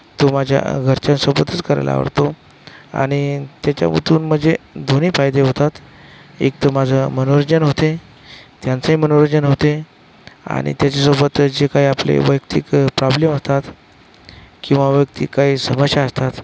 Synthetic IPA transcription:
t̪omad͡ʑʱja̰ɡʱəɾt͡ɕãnsobət̪ət͡skəɾa̰jla̰ʋə̰ɾt̪o | a̰ɽ̃it̪jat͡ɕja̰mṵt̪uːnm̤əd͡zed̪ʱoniːfajd̪eɦot̪at̪ | ek̚t̪əmad͡zʱəmənoɾod͡ʑənɦot̪e | t̪jãnt͡səɦimənoɾəd͡ʑənɦot̪e | a̰ɽ̃ḭt̪jat͡ɕasobət̪d͡zekaiaplḛʋəjk̚t̪ikpɾɔbleməst̪at̪ | kĩw̃ʋaʋəjk̚t̪ikːaisəməɕjaəst̪at̪

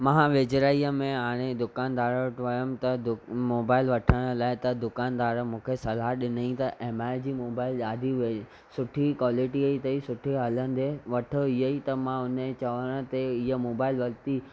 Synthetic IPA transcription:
mãɦãʋeːd͡ʑɾaːiəmẽaːɽ̃ed̪ʊkaːnd̪aːɾʈʋɐjəmt̪ɐd̪ʊmoːbaːɪlʋɐʈʰəɽ̃laːɪt̪ɐd̪ʊkaːnd̪aːɾmũːkʰesɐlaɗɪnəĩt̪ɐʔeːmaːɪd͡ʑiːmoːbaːɪlaːd̪ʱiʋe | sʊʈʰikʋaːlɪʈiɐit̪ɐisʊʈʰiɦɐlənɪ̆d̪eʋɐʈʰəiɦəit̪ɐmãʊnt͡ɕɐʋəɽ̃ə̆t̪eiɦəmoːbaːɪlʋɐlt̪i

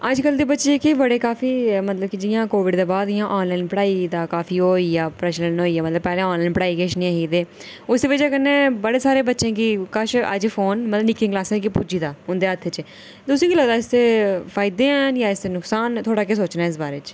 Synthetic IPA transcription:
əd͡ʒkəld̪iːbətːʃeːkibəɽeːkaːfiːmət̪ləb̚kid͡ʒɪjãːkoːʋɪɖd̪eːbaːd̪ɪjãːʔɔːnlaːɪnpəɽaːid̪aːkaːfiːɦoːiːjaːpɾɛːʃlənɦoːiːɛːmət̪ləbpɛːlẽːɔ̃ːnlaːɪnpəɽaːikeʃnĩaɦiːd̪eː | ʊsiːʋəd͡ʒeːkənːeːbəɽeːsaːɾeːbətːʃẽːkikəʃəd͡ʒfʰoːnmət̪ləbnɪkɪ̃ŋklaːsɛ̃ːkipuːd͡ʒiːd̪aːʊ̃nd̪eːət̪ʰːet͡ʃ | d̪ʊsĩɡiləɡd̪aːɪst̪eːfʰaːɪd̪eːɛnjaːɪst̪eːnʊksaːnt̪ʰoːɽaːkes̬oːt͡ʃnaːɪs̬baːɾeːt͡ʃ

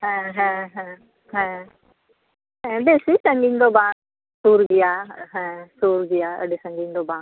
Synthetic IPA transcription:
ɦɛ̃ːɦɛ̃ːɦɛ̃ː | ɦɛ̃ː | ɦɛ̃beːsisə̃ŋɡind̪oːbãːŋ | suːɾɡɪjaːɦɛ̃ːsuːɾɡɪjaːə̰ɖesə̃ŋɡɪnd̪oːbãːŋ

